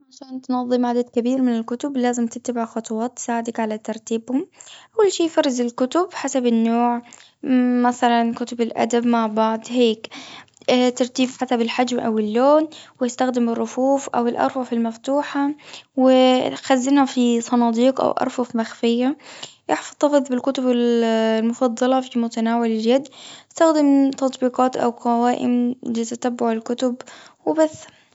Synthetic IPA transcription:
ʕaʃaːnt̪nɑðˤːɨmʕad̪ad̪kabiːɾmɪnɪlkʊt̪ʊblaːzɪmt̪ɪtt̪ːabɪʕxʊt̪ˤʊwɑːt̪ːɪ̥saːʕɪd̪akʕalat̪ɑɾˤt̪iːbhʊmʔawːalʃiːfɑɾˤːɪzɪlkʊt̪ʊbħasabɪnːoːʕ | maθalankʊt̪ʊbɪlʔa̰d̪abmaʕbɑʕd̪ˤheːkː | t̪ɑɾˤt̪iːbħasabɪlħad͡ʒmʔa̰wɪlːoːnwɪjɪst̪axd̪ɪmɪrˤːʊfuːfʔa̰wɪlʔɑ̰ɾˤfɑfɪlmaft̪uːħawɪxazːɪnhafisˤɑnɑːd̪iːqʔa̰wʔɑ̰ɾˤfɑfmaxfɪjːajɪħfɑd̪ˤːɑfɨðˤbɪlkʊt̪ʊbɪllmʊfɑd̪ˤːɑlɑfimʊt̪anaːwɪlɪljad̪jɪst̪axd̪ɪmt̪ɑt̪ˤbiːqɑːt̪ʔa̰wqɑwaːʔɪ̰mlɪt̪at̪abːʊʕɪlkʊt̪ʊbwɪbas

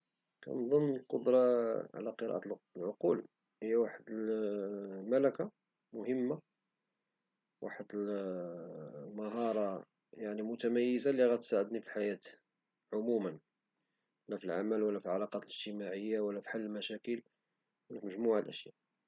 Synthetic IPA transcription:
kæ̰nd̪ˤənːəlqod̪ɾˤɑʕ̰læqəɾˤɑ̰ʔ̪lʕoqul | həjːæwaħəd̪əl | mælæka | mʊhəmːa | wa̰ħəd̪əl | məɦɑɾˤɑ | jaʕnimʊt̪æmæjːəzaliɣæt̪saʕəd̪nifiħajæt̪ | ʕʊmumən | læfilʕamælwəlːæfiʕɑlɑqɑt̪ələʒt̪əmaʕəjːawəlːæfi̥ħalːəlmæʃækəl | wənːækməʒmuʕalʔə̰ʃjæ̰ʔ

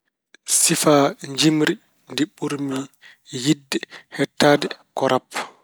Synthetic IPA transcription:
sifaɲd͡ʒimɾi | ndiɓuɾmi | jidːɛhɛtːaːdɛkɔɾʔapː

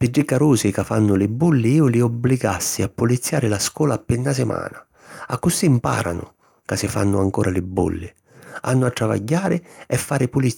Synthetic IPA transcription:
pɪɖːɪkːaɾuːsɪkafːanːʊlɪbːulːɪiːʊlɪɔbːliɡa̰sːiapːʊlit̪sːjaːɾɪlaskɔːlaːpːɪnːasɪma̰ːna | akːʊsimpa̰ːɾa̰nʊ̰ | kasɪfa̰nːʊaŋkɔːɾʔalɪbːṵlːɪ̰ | a̰nːʊat̪ːɾava̰ɟːaːɾɪɛfːaːɾɪpʊli

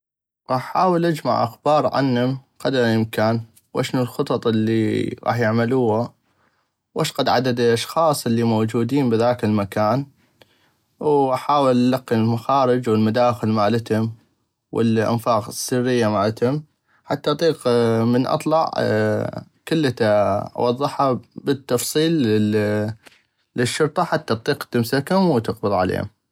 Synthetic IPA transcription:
ɣɑːħħaːwəlʔad͡ʒma̰ʕʔa̰xbɑːɾˤʕa̰nhʊmqɑd̪ɾˤʔɪmkaːn | wʔa̰ʃnulxɨt̪ˤɑt̪ˤʔɪlːḭɣɑ̰ːħjɪʕmaluːha | wʔaʃqɑd̪ʕad̪ad̪ʔaʃxɑːsˤʔɪlːimowd͡ʒuːd̪iːnbɪðaːkɪlmakaːn | wʔaħaːwɪlʔalaqːilmaxaːɾɪd͡ʒwɪlmad̪aːxɪlmaːlɪt̪hʊm | wɪ̰lʔɪ̰nfaːqsːɪrːɪjːamaːlat̪hʊm | ħat̪ːaʔɑt̪ˤiːqmənʔɑ̰t̪ˤlɑʕ | kʊlːat̪aʔɑ̰wɑðˤːɨħabət̪ːɑfsˤiːlː | ɪʃːʊɾt̪ˤɑħat̪ːaʔt̪ˤiːqt̪ɪmsakʊmwt̪ɪqbɨðˤʕa̰lḛːhʊ̰m

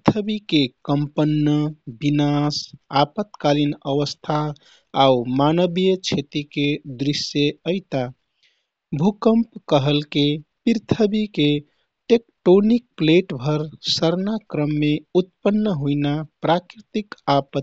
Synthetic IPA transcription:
t̪ʰəbikekəmpənːəbinasapət̪kalinəʋəst̪ʰaː | umanəbijət͡ʃʰet̪iked̪ɾisjeəɪt̪a | bʱukəmpkəɦəlkepiɾt̪ʰəbike | ʈekʈonik̚pleʈbʱəɾsəɾnakɾəmːeut̪̚pənːəɦuinapɾakɾit̪ikapət̪

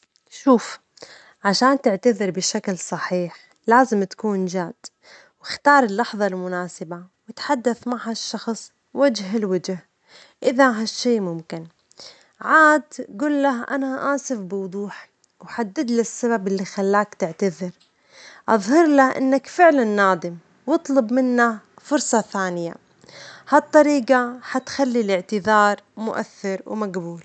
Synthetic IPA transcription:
ʃuːf | ʕaʃaːnt̪ɪʕt̪aðɪɾbɪʃaklsˤɑħiːħ | laːzɪmt̪ḁkuːnd͡ʒaːd̪̥ | wɪxt̪ɑːɾˤɪlːɑħðˤɑlmʊnaːsɪbawɪt̪ħad̪ːaθmaʕhaʃːɑxsˤ | wad͡ʒɦɪlwad͡ʒh | ʔɪðaɦaʃːeːmʊmkɪn | ʕaːd̪ɡuːlːaɦʔa̰naʔaːsɪfbɪwʊd̪ˤuːħ | wħad̪ːɪd̪lɪsːababɪlːixalːaːkt̪ɪʕt̪aðɪɾ | ʔɑðˤhɑɾlaʔɪ̰nːakfɪʕlanːaːd̪ˤɪm | wɨt̪ˤlʊbmɪnːafʊɾsˤɑθaːnɪja̰ | hɑt̪ˤːɑɾiːqɑħat̪xalːilɪʕt̪ɪðɑːɾˤmʊ̰ʔa̰θːɪɾwmaɡbuːl

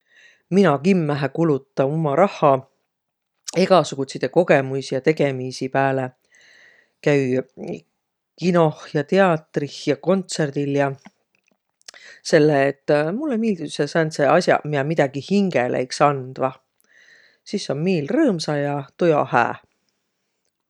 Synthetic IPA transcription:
minɑkimːæɦækulut̪ˑːɑomɑɾɑhːɑ | eɡ̥ɑsuɡ̥ut̪sit̪eko̞ɡ̥e̞musijɑt̪e̞ɡe̞misipæːle | kæy | kino̞hjɑt̪e̞ɑt̪rihjɑko̞nt̪se̞rd̪̥iljɑ | se̞lːeːt̪ːˑmulːemiːld̪isesæːnt̪seɑsjɑ̰mid̪ɑmid̪ɑɡ̥ihiŋɡ̥ḛlʔḛjksɑnd̪̥vɑ | sisːo̞nmiːlrɤːmsɑjɑt̪ojɑ̰hæ̰ː

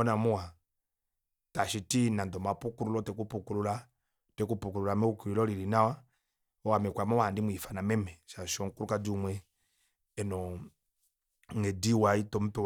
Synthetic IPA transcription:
ɔnamuwa | taʃitinandɔmapukuɾulɔtɛkupukuɾula | tɛkupukuɾulamɛukuɾilɔliɾinawa | ɔwamɛkwamɔwandimwifanamɛmɛʃaʃɔŋkuɾukadumwɛ | ɛnɔ | ŋɛdiwaitɔm̩pɛ

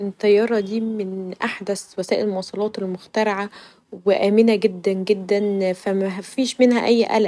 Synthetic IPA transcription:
et̪ˤːɑjːɑːɾˤɑd̪iːmenʔaħd̪æswæsæːʔelmowɑːsˤɑlɑːt̪elmoxt̪æɾˤɑʕa | weʔæːmenæɡed̪ːænɡed̪ːænfæmæfiːʃmenhæ̰ʔæjːʔæ̰læ

